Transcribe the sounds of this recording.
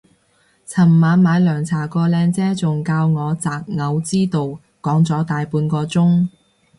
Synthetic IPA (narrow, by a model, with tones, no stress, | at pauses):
t͡sʰɐ˨˩mːaː˨˧nmaː˨˧jlœː˨˩ŋt͡sʰaː˨˩kɔː˧lɛː˧ŋt͡sɛː˥t͡sʊ˨ŋkaː˧wŋɔː˨˧t͡saː˨k̚ŋɐ˨˧wt͡siː˥t̪o˨w | kɔː˨˥ŋt͡sɔː˨˥t̪aː˨jpuː˧nkɔː˧t͡sʊ˥ŋ